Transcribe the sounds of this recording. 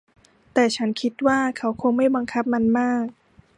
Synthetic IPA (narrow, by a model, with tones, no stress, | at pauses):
t̪ɛː˨˩t͡ɕʰa˦˥nkʰi˦˥t̪̚waː˥˩kʰa˦˥wkʰo˧ŋma˥˩jba˧ŋkʰa˦˥p̚ma˧nmaː˥˩k̚